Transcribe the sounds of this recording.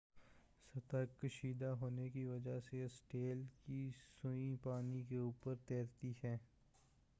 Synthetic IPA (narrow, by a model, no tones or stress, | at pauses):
sɐt̪əkːəʃiːd̪aɦoːnekiʋɐd͡ʒasesʈeːlkisʊĩpaːnikeuːpəɾt̪ɛːɾt̪iɦɛː